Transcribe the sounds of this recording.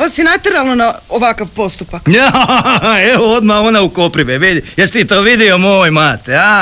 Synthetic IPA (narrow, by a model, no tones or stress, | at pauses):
ʋasinat̪eɾalˠnonaoʋakaʋpo̞st̪upakne | eʋood̪maonaukopɾiʋeʋid̪ijest̪it̪oːʋid̪iomoːjmaːt̪ea